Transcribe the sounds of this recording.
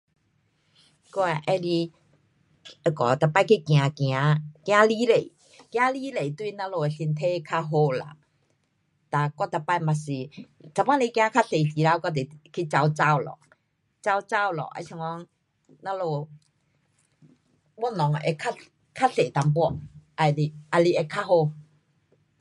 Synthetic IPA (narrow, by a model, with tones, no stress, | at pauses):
kɔ˧a˧˨ʔɛ˦li˧ | ə˧kɔ˨t̪a˧˩pa˧˨kʰi˦kj̃ã˧kj̃ã˧˦kj̃ã˧˦li˦le˨ | kj̃ã˧˦li˦le˨t̪u˧i˧˨˧nã˧˦lo˧e˨˧si˧nt̪ʰe˦˧kʰa˧ɦo˧la̰˨ | t̪a˧kɔ˧˨t̪a˧pa˧˨jma˨si˨ | t͡sa˧wã˧˦le˧kj̃ã˧˦kʰa˦˥ɬe˨si˨˦ɾa˧˦wkɔ˧t̪e˨kʰi˦t͡ɕa˧wt͡sa˧˨wlɔ̰˨ | t͡sa˧wt͡sa˧˨wlɔ̰˨ʔa̰˧sʰi˧ŋɔ˧˦ŋ | na˧lo˧ | bɔ˧˦˨nɔ˨ŋ˧ʔe˧kʰa˦˥ | kʰa˦˥ɬe˨t̪a˧mpwɔ˧˨ʔa˧li˧a˧li˧ʔe˧kʰa˧˥ho˧